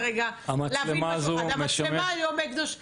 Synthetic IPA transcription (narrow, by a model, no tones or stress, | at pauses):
eɡaamallemazuameʃameajomekd̪oʃ